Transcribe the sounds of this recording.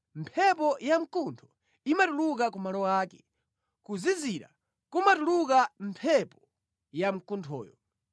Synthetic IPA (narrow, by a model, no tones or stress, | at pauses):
mpʰɛp̬ɔjam̩kuntʰɔ̥ | imatuluk̬akumalɔwaːkɛ̥ | kuziziɾa̰ | kumatulukam̩pʰɛpɔ | jam̩kuntʰɔ̰ːjɔ̰